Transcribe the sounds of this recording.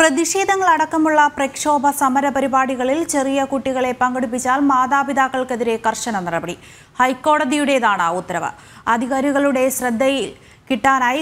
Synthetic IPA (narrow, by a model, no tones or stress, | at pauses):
prɐðiɕe̞ːd̪ʱɐŋːɐɭɐɽɐkːɐmuɭːɐprɐkʂo̞ːbʱɐsɐmɐɾɐpɐɾibaːɽiɣɐɭilt͡ɕerijɐkuʈːiɣɐɭe̞pɐŋɡɐɽupːit͡ɕːaːlmaːd̪aːbid̪aːkːɐɭkeðiɾe̞kɐrʂɐnɐnirɐbɐɽi | hɐjkːo̞ːɽɐd̪ijuɽe̞jðaːɳaːut̪ːɐɾɐʋɐ̰ | ɐd̪ʱiɣaːɾiɣɐɭuɽe̞ɕrɐd̪ʱːɐjil | kiʈːaːnaːji